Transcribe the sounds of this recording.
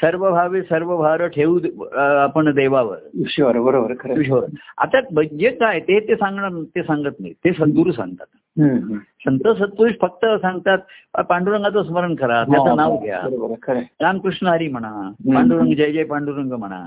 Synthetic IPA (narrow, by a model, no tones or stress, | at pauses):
səɾʋəbʱaʋesəɾʋəbʱaɾəʈʰeuapəɳd̪eʋaʋə̰ɾɕoɾbəɾobəɾkəɾeiʃoɾa̰t̪abəd͡ʒekajt̪et̪esãŋɡɳaɾt̪esãŋɡət̪na̰jt̪esəd̪̚d̪uɾuːsã̰ŋɡ̚t̪at̪ | sənt̪əsəd̪̚puɾuːɕfək̚t̪əsãŋɡt̪at̪̚paɳɖuɾəŋɡat͡sasməɾəɳkəɾat̪jaanaʋɡʱja̰ɾbəɾkəɾɾamkɾuʂɳəɦaɾiːm̤əɽ̃appaɳɖuɾəŋɡd͡ʑəjd͡ʑajpaɳɖuɾəŋɡəm̤əɽ̃a̰